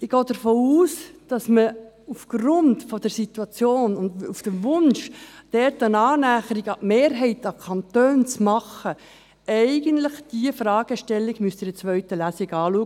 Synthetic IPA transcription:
ɪɡ̥ɔːd̥əɾfoːuːsd̥ɑsmə | ufɡ̥rʊntfɔd̥əɾsit̪uɑt͡sjoːnʊndufd̥əʋʊnʃd̥ɛɾtənɑːnæːχəɾiɡɑʔmeːɾɦɛɪtɑkʰɑntøːnt͡smɑχə | ɛɪɡəntlɪχd̥iəfrɑːɡ̥əʃtɛlːiɡmyəstɪdət͡sʋœʏtəlæːsɪɡɑːluə

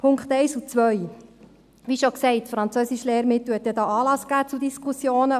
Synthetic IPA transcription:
pʰʊŋkχt̪ɛɪsut͡sʋœj | ʋiʃoksɛɪtːfɾɑnt͡søsiʃleːɾmɪt̪l̩hɛt̪̚dɛdɑːɑːlɑsɡ̥æːt͡sudiskʰusjoːnə

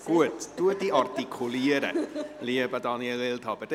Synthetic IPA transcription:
ɡ̥uətd̥uədiɔrtikʰʊlˠiəɾɛ̰liəbadɔnjɛlɪlˠtʰɔbəd

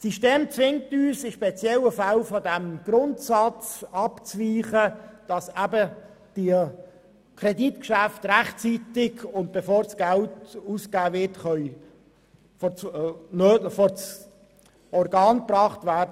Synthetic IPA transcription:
siʃteːmt͡sʋɪŋ̚tyːsɪʃpet͡sjɛləfalfɔdæmɡ̥ɾʊntsɑt͡sɑpt͡sviːχəd̥ɑsæbə | d̥i | kʰreditkʃæftræχtt͡sitɪɡʊnt̚b̥efoːɾsɡ̥æltusɡ̥aːvɪtχœʏ | fɔt͡snøːfɔt͡s | ɔrɡɑːnprɑːχtvædə

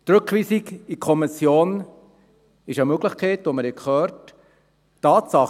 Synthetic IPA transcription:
t̪ɾɵkχʋiːsikikʰɔmɪsjoːn | ɪʃəmøɡləχkʰɛɪtoməɾɛkʰχœːɾt | tːɑːtsɑχ

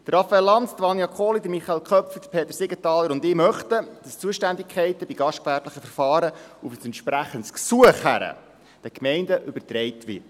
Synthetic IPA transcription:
d̥ərɑfəɛlːɑntdʋɑnjɑkʰoːlidəɾmiχɑɛlkʰχœpfəd̥ə̥pʰeːt̪ːəɾsɪɡətɑːlːəɾʊndɪːmœχtəd̥ɑst͡suəʃtændikχɛɪtəb̥iɡ̥ɑʃt̚kvæːɾtləχəfəɾfɑːɾəufəsɛntʃpɾæχəntsksuəχhæ̰ɾə̰ | d̥ɛkmɛɪndəʔʏbərtɾɛɪtʋɪ̰

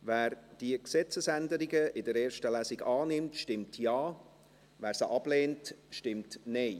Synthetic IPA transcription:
væːɾd̥iəksɛt͡səsændəɾɪɡəɪdəɾeːɾʃtəlæsɪɡɑːnɪmtʃtɪmtʰjɑː | væːɾsəʔɑb̥leːntʃtɪmtneɪ

